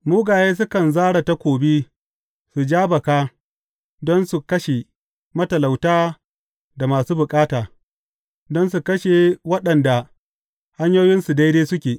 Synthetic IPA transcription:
muː˦ɡaː˨jeː˦s̬ʊ˦kɐ˨nzaː˦ɽa˨ta˦kʷoː˨bi˦ | su˨d͡ʒaː˦bɐ˨kaː˦ | dɔ˦nsu˨kɐ˦ʃe˨ | mɐ˦tɐ˨la˨wtaː˦ | da˨maː˨suː˦bʊ˨kʼaː˦taː˨ | dɔ˦nsu˨kɐ˦ʃe˨wɐ˦ɗɐ˨nda˨ | ha˦ɲjoː˦jɪ˦nsu˨da˦deː˦sʊ˦kʲeː˨

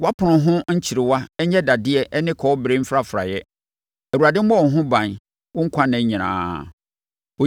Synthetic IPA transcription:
wa˦pʰʊ˨nʊ̃˨ɦʊ̃˦ɲ̩˦t͡ɕʰi˨ɾɪ˨wa˦ɛ˦ɲɛ˦da˨dɪ˦ɛ˨ʔnɪ̃˦kʰɔ˨˦ɔ˦bɾe˦m̩˦fɾa˦fɾa̰˨jɛ˦ | æ˨u˨a˨dɪ̃˦m̩˦mɔ̃˦wɔ̃˨ɦʊ̃˦bã˨n | wʊ̃˦ŋ̩˦kʰã˦nã˨ɲĩ˨nã̰ː˨ | ɔ˨

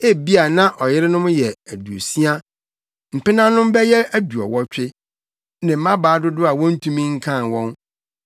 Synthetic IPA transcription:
e˦bi˦a˨nã˦ʔɔ˨jɪ˦ɾɪ˦nʊ̃˦m˦jɛ˨æ˨du˨o̰˨si˦a˦ | m̩˨pɪ˦nã˦nʊ̃˦m˦bɛ˦jɛ˦æ˦du˨ɔ̰˨wɔ˦t͡ɕᶣɪ˦ | nɪ̃˨m̩˦mã˦baː˨˦dʊ˦dʊ˦a˨wɔ̃˦n̩˦tʰũ˦mĩ˦ŋ̩˦kʰã˦˨wɔ̃˦n

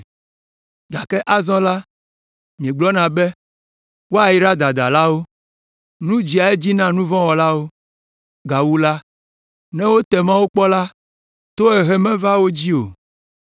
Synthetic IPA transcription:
ɡ̪a˨kɛ˦ʔa˦zɔ̃˦la˦ | mĩ˨ẽ˨ɡ͡blɔ˦nã˨bɛ˦ | wo˦a˨ji˦ɾa˦d̪a˨d̪a˨la˦wo˦ | nũ˦d͡ʑi˨a˨e˦d͡ʑi˦nã˦nũ˦vɔ̃˦wɔ˨la˦wo˦ | ɡa˨wu˦la˦ | nɛ̃˦wo˦t̪ɛ˨mã˦wo˦k͡pɔ˦la˦ | t̪o˦ɛ˨ɦɛ˦mɛ̃˦va˦wo˦d͡ʑi˦o˨

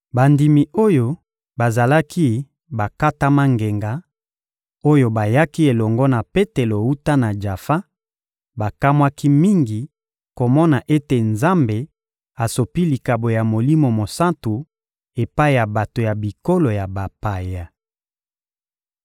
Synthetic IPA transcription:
ba˨ndi˨mi˨o˦jo˦ | ba˨za˨la˦kʰi˦ | ba˨ka˦ta˦ma˦ŋɡe˨ŋɡa˨ | o˦jo˦ba˨ja˦ki˦e˨lɔ˨ŋɡɔ˦na˨pe˦te˨lo˨u˦ta˦na˨d͡ʒa˨fa˦ | ba˨ka˦mwa˦ki˦mi˦ŋɡi˨ | ko˨mɔ˦na˨ʔe˦te˨nza˦mbe˨ | a˨so˨pi˦li˨ka˨bo˨ja˨mo˨li˦mo˨mo˨sa˦ntu˨ | e˨pa˦i˨ja˨ba˨to˨ja˨bi˨ko˦lo˨ja˨ba˨pa˨ja˨

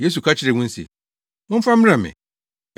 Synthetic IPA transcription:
je˦s̬u˨kʰa˦t͡ɕʰɪ˦ɾɪ˨wʊ̃˦n̩˦sḛ˨ | ʊ̃˦fã˦m̃˦ã˨mɪ̰̃˨

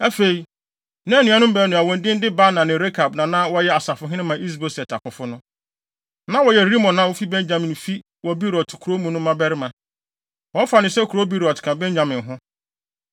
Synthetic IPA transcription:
æ˦fe˨i˨ | nã˦nũ˨ã˦nʊ̃˦m̩˦bɛ˦nʊ̃˨a˨wɔ̃˨ndɪ̃˦n̩˦dɪ˦ba˦nã˨nɪ̃˨ɾe˦kʰa˨bnã˨nã˦wɔ˦jɛ˦a˨sa˨fʊ˨ɦɪ̃˦ɪ̃˦mã˨ʔi˦s̬bɛ˨sɛ˨tʰa˨kʊ˨fʊ˦nʊ̃˦ | nã˦wɔ˨jɛ˨ɾi˦mɔ̃˨nːã˨˦wʊ˦fi˦bɛ̃˦nd͡ʑã˨mɪ̃˨n˨fi˦ | wɔ˨bi˦ɾɔ˨tkʰɾo˦mũ˨nʊ̃˦mã˦bɛ˦ɾɪ˦mã˨ | wɔ̃˨˦fa˨nɪ̃˨sɛ˦kʰu˨ɾo˦bi˦ɾɔ˨tkʰã˨bɛ̃˦ɲd͡ʑã˨mɪ̃˨n˨ɦʊ̃˦

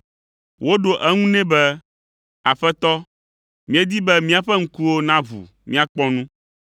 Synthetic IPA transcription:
wo˦ɖo˨ʔɛ˦ŋũ˦nɛ̃˦bɛ˦ | a˨ɸɛ˦t̪ɔ˦ | mĩ˦e˦d̪i˦bɛ˦mĩ˦a˨ɸɛ˦ŋ̩˦ku˦wo˦nã˦βṵ˨ | mĩ˦a˦k͡pɔ˦nũ˦

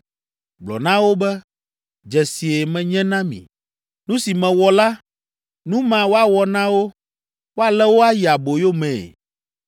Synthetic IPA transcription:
ɡ͡blɔ̰˨nã˦wo˦bɛ˦ | d͡ʒɛ˨si˨e˨mɛ̃˨ɲɛ̃˦nã˦mḭ̃˨ | nũ˦si˨mɛ̃˨wɔ˨la˦ | nũ˦mã˨wo˦a˨wɔ˨nã˦wo˦ | wo˦a˨lɛ˦wo˦a˦ji˨a˨bo˨jo˦mɛ̰̃ː˨

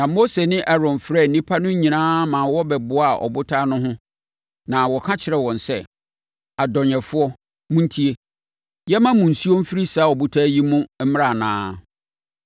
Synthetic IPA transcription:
nã˨mo˦se˨nɪ̃˦ʔɛ˦ɾɔ̃˨nfɾɛ˦˨n̩˨nĩ˦pʰa˦nʊ̃˦ɲĩ˨nãː˦mã˨wɔ˦bɛ˨bʊ˨˦a˨ʔɔ̰˨bʊ˦tʰaː˦nʊ̃˦ɦʊ̃˦ | nã˨wɔ˨kʰã˦t͡ɕʰɪ˨ɾɛ˨wɔ̃˨n˨sɛ˦ | a˨dɔ˨ɲɛ̃˨fʊ˦ɔ˦ | mũ˦n̩˦tʰi˦e˦ | jɛ˦mã˦mũ˨n̩˨si˦o˦m̩˦fi˦ɾi˦saː˦ɔ˨bu˦tʰa˦ji˦mʊ̃˦m̩˦m˦ɾa˨nã̰ː˦

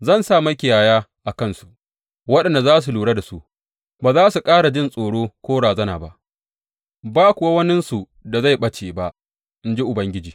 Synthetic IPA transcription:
zɐ˦˨nsaː˦˨mɐ˦kʲɪ˨jaː˨jaː˦ʔa˨kɐ˦nsu˨ | wɐ˦ɗɐ˨nda˨zaː˦s̬u˨luː˨ɽa˦da˨su˦ʔ | baː˨zaː˦su˨kʼaː˦ɽa˨d͡ʒɪ˦nsʼoː˨ɽoː˦kʷoː˦ɽaː˨zɐ˦na̰ː˨ba˦ʔ | baː˦kʷʊ˨wa˦wɐ˦nɪ˦nsu˨ | da˨za˦˨jɓɐ˦t͡ʃeː˨ba˦ʔ | ɪ˦nd͡ʒe˦ʔʊ˨bɐ˦ŋɡʲɪ˦d͡ʒiː˨

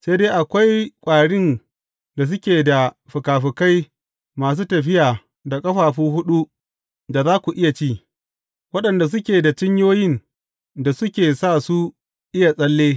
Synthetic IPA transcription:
seː˦deː˦ʔa˨kʷa˦jkʷʼaː˨ɽɪ˦n | da˨s̬ʊ˦kʲeː˨da˨ | ɸʊ˨kaː˨ɸɪ˨ka˦j | maː˨s̬uː˦tɐ˨ɸ̬ɪ˦jaː˨ | da˨kʼɐ˦ɸaː˨ɸuː˦ɦʊ˦ɗu˦ | da˨zaː˦kʷu˨ʔɪ˦ja˨t͡ʃiː˦ | wɐ˦ɗɐ˨nda˨s̬ʊ˦kʲeː˨da˨t͡ʃɪ˦ɲjoː˦jɪ˦n | da˨sʊ˦kʲeː˨saː˦˨su˦ | ʔɪ˦ja˨sʼɐ˦lːeː˦

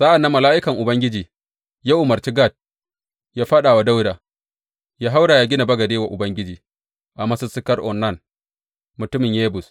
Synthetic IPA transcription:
sa˦ʔa˨nːa˦mːɐ˨laː˦ʔɪ˦kɐ˨ŋʔʊ˨bɐ˦ŋɡʲɪ˦d͡ʒiː˨ | ja˦wʔʊ˨mɐ˨rt͡ʃi˦ɡa˦˨t̚ | jaː˦ɸɐ˦ɗaː˨wa˦da˦wda˨ | jaː˦ɦa˦wɽaː˨jaː˦ɡʲɪ˦na˨bɐ˦ɡɐ˨deː˦wa˨ʔʊ˨bɐ˦ŋɡʲɪ˦d͡ʒiː˨ | ʔa˨mɐ˦sʊ˦sɪ˦kɐ˦rʔɔ̰˨nːa˦˨n | mʊ˨tʊ˦mɪ˨ɲjeː˦bʊ˨s

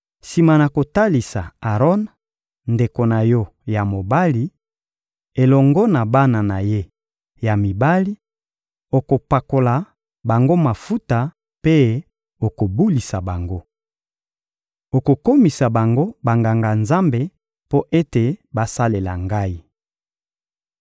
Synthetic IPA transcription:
si˨ma˨na˨ko˨ta˦li˨sa̰˨a˨ʁɔ˦n | nde˨ko˨na˨jɔ˦ | ja˨mo˨ba˦li˦ | e˨lɔ˨ŋɡɔ˦na˨ba˦na˨na˨je˦ | ja˨mi˨ba˦li˦ | o˨ko˨pa˨ko˨la˨ | ba˨ŋɡo˦ma˨fu˦ta˨ | pe˦ | o˨ko˨bu˦li˨sa˨ba˨ŋɡo˦ | o˨ko˨ko˦mi˨sa˨ba˨ŋɡo˦ba˨ŋɡa˨ŋɡa˨nza˦mbe˨ | po˦ʔe˦te˨ba˨sa˦le˨la̰˨ŋɡa˦i˦

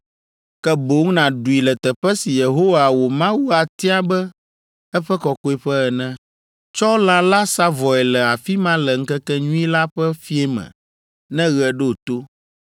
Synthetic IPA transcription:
kɛ˦bo˨˦ŋnã˨ɖu˨i˨lɛ˨t̪ɛ˨ɸɛ˦si˨je˨ɦo˦wa˨wo˨mã˦wu˦a˨t̪i˦a˦bɛ˦ | ɛ˦ɸɛ˦kɔ˨ko˦i˦ɸɛ˦ɛ˨nɛ̃˦ | t͡ʃɔ˦o˦lã˦la˦sa˦vɔ˨ɛ˨lɛ˨a˨fi˦mã˦lɛ˨ŋ̩˦kɛ˦kɛ˦ɲũ˦i˦la˦ɸɛ˦fi˦ɛ˦mɛ̰̃˨ | nɛ̃˦ɣɛ˨ɖɛ˦o˨t̪o˦

